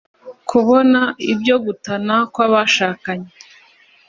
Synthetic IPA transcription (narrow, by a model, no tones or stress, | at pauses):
kʰuβo̞naibɟo̞ɡutanakwaβaʃaːkaɲe